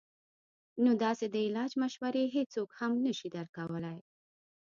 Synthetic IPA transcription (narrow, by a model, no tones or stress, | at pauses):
nod̪ɑsed̪əɪlɑd͡ʒmaʃwaɾeɦet͡sokhamnəʃid̪əɾkawəlaj